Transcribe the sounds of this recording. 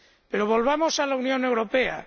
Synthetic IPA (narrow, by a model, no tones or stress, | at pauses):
peɾoβ̞o̞lβ̞amo̞salaunjo̞ne̞wɾo̞pea̰